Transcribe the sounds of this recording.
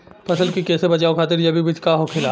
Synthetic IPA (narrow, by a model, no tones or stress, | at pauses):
pʰɐsəlkikɛːsebɐt͡ʃaːokʰaːt̪̬ɪɾjɐbʱibit͡ʃkaɦokʰɪlaː